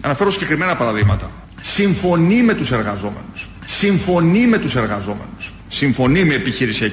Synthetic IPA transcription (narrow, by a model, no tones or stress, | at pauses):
ɐnɐfe̞ɾo̞siɟe̞kɾime̞nɐpɐɾɐðiɣmɐt̪ɐ | siɱfo̞nime̞t̪use̞ɾɣɐzo̞me̞̰nus | siɱfo̞nime̞t̪use̞ɾɣɐzo̞me̞̰nus | siɱfo̞nime̞ːpiçiɾisiɐ